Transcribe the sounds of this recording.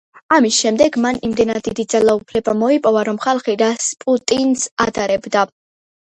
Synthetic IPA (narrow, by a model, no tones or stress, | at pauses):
amisʃɛmd̪ɛɡmanimd̪ɛnad̪d̪id̪id̪zalˠaupʰlɛbamɔipʼɔvaɾɔmχalˠχiɾaspʼut̪ʼinsad̪aɾɛbd̪a